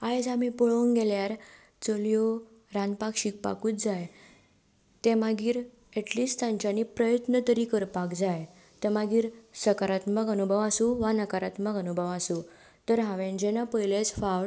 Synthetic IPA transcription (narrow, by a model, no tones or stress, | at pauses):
ajd͡zamipoɭonɡeljaɾ | t͡soljo | ɾãnpakɕik̚pa̰kuːt̪d͡zaj | t̪ẽmaɡiːɾ | eʈliːsʈ̪ãɲt͡ɕanipɾəjət̪nət̪əɾikəɾpakd͡zaj | t̪emaɡiːɾsəkaɾat̪məɡənubʱəʋasuʋanəkaɾat̪məɡənubʱəʋasu | t̪əɾɦãʋẽnd͡ʑenapəjlet͡sfaʋɭ